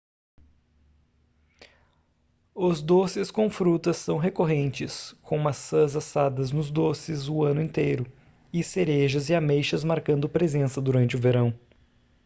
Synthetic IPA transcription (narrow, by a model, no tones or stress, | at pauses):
ʊzd̪osɪskõw̃fɾut̪ɐsːɐ̃w̃ɦekoɦẽnt͡ʃɪskʰõw̃ũmɐsːɐzasad̪ɐznʊzd̪osɪzʊɐ̃nʊẽnt̪ejɾʊ | ɪseɾeʒɐzɪamejʃɐzmaɾkɐ̃nd̪ʊpɾezẽsɐd̪uɾɐ̃nt͡ʃɪʊveɾɐ̃w̃